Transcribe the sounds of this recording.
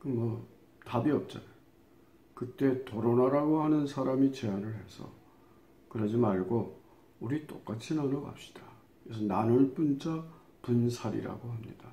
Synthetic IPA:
kɯmwʌ | tabiʌp̚t͡ɕ͈ana | kɯt͈e̞toɾonaɾaɡohanɯnsʰaɾamit͡ɕe̞anɯɭhe̞sʰʌ̰ | kɯɾʌd͡ʑimaɭɡo | uɾit͈o̰k͈at͡ɕʰinanoɡa̰p̚ɕ͈i̥d̥a | es̬ʰʌnanɯɭp͈unt͡ɕa | punsʰaɾḭɾa̰ɡoɦamɲḭd̥a

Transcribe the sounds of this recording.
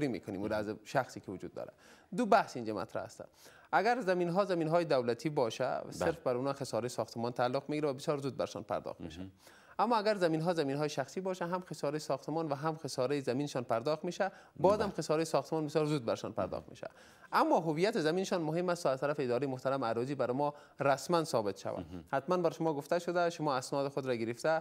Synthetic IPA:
ɾimḛkʊnḭmulazʃaxsikevʊd͡ʒṵd̪̚ːɒ̰ːɾa̰ | d̪ʊbahsind͡ʒama̰t̪ɾa̰ha̰st̪æ̰ | aɡæɾzaminɦɔzaminɦɔjed̪awlat̪ʰibɔʃæ̰seɾfbaɾunɒxesɔɾejisɒxt̪ɪmɔnt̪ʰaːlːoqmeɡiɾavabɪsjɒːɾzud̪̚ba̰ɾʃɔ̰npʰa̰ɾd̪ɒ̰xt̪mḛʃæ̰ | amːɔːaɡæɾzaminɦɔːzaminɦɔːjʃaxsibɒʃaɦamxesɒɾejsɒxt̪ɪmɔnvaɦamxesɔɾejzamineʃɔnpaɾd̪ɔxt̪meʃa | bɒzamxɪsɔɾejsɒxt̪ɪmɔnbɪsjɒɾzuːd̪̚baɾʃɔ̰npa̰ɾd̪ɒ̰xt̪mḛʃa̰ | amːɔɦʊvijat̪ɪzaminɪʃɔnmʊɦemːast̪ɔazt̪aɾafeːd̪ɒɾejmʊht̪aɾamaɾɔzibaɾmɔ | ɾasmansɔbɪt̪ʃa̰va̰hat̪manbaɾʃʊmɔɡʊft̪aʃʊd̪aʃʊmɔːasnɔd̪ɪxod̪ɾaɡɪɾeft̪a

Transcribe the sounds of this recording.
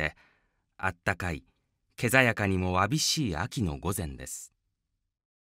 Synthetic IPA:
e̞ | a̰t̪ːakai | ke̞zajakaɲ̟imo̞βabʲiɕiːakʲino̞̰ɡo̞zẽ̞nd̪e̞̰sɨ̥

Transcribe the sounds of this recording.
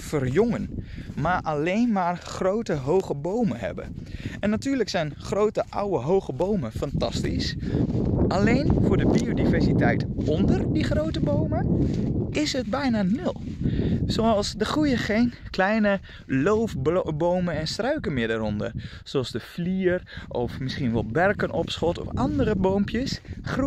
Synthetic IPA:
fərjʊŋənmaːɹʔalejnmaːrχrowtəɦowχəbowməɦɛ̰bə̰ɛnːatyːɹləksɛjnχrowtəʔa̰wəɦowχəbowməfɑntɑ̰stḭs | ʔalejnvʊːɹdəbiodivɛɹsitɛjtɔndərdiχrowtəbowməʔɪsɦət̚bɛjnaːnɵlˠsoɑlˠsdəχrujəχejnklɛjnə | lowfbbowmənɛnstrœɥkənmɪːɹdaːɾɔndə̰r | soɑlˠzdəfliːrʔɔfmɪsχinʋɛlˠbɛrkənʔɔpsχɔtɔ̰fʔɑndərəbowmpjəsχru

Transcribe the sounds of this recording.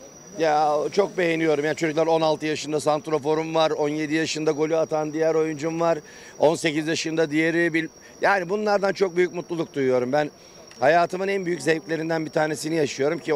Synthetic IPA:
jat͡ʃʰo̞k̚be̞jenijo̞ɾumjaːnit͡ʃʰød͡ʒycʲlʲæɾo̞nalˠt̪ʰɯjaʃɯnd̪asant̪ɾo̞fo̞ɾumvaɾo̞nje̞d̪ijaʃɯnd̪aɡo̞lʲyat̪ʰand̪ijæɾo̞jund͡ʒumvaɾ̥ | o̞nse̞cizjaʃɯnd̪ad̪ijeɾibilʲ | jaːnibunlˠaɾd̪ant͡ʃʰo̞k̚byjycmut̪lˠulˠuk̚d̪ujujo̞ɾumbæn | hajaːt̪ʰɯmɯnænbyjyczɛplʲe̞ɾind̪ænbit̪ʰaːne̞sinijaʃɯjo̞ɾumcʰi

